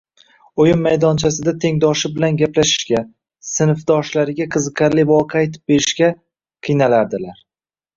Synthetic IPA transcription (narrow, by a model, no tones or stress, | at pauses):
ojɪmːajd̪ɒnt͡ʃʰasɪd̪at̪ʰe̞ŋd̪ɒʃɪbɪlanɡʲaplaʃɪ̥ʃkʲa | sɪnfd̪ɒʃlaɾɪɡʲaqʰɨzɨqʰaɾlɪvɒqʰɑjt̪ʰɪ̥p̚be̞ɾɪʃkʲa | qʰɨjnalaɾd̪ɪlaɾ